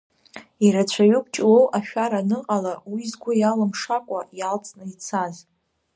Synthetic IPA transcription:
iɾat͡ɕʷʰaɥʊkʷʰʼt͡ʃʼlowʔaʃᶣaɾanɨqʼalawizɡʷʊjalɨmʂakʷʼajalt͡sʼnɨit͡sʰaz

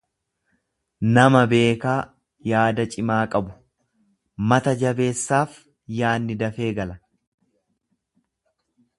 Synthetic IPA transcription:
nɐmɐbe̞ːkaː | jaːd̪ɐt͡ʃʼɪmaːkʼɐbʊ | mɐt̪ɐd͡ʒɐbe̞ːsːaːf | jaːnːɪd̪ɐfe̞ːɡɐlɐ

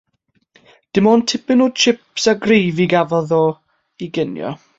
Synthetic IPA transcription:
d̥ɪmɔːntʰɪpɪnoːdt͡ʃʰɪpsaɡrejviɡavɔðɔ | iɡɪnjɔ̰

